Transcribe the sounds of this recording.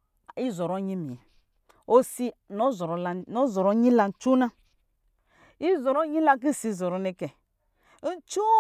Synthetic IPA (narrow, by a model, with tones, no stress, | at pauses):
i˦zɔ˨ɾɔ˦ɲi˦mi˨ɛ˨ | o˦si˦nɔ˦zɔ˨ɾɔ˨˦la˨no˦zɔ˨ɾɔ˦ɲĩ˦la˧n̩˨t͡ʃu˦na˦ | i˦zɔ˨ɾɔ˦ɲĩ˦la˦k̬i˦˨si˨˦˨zɔ˨ɾɔ˨ne˦kɛ˨˦ | n̩˦t͡ʃu˦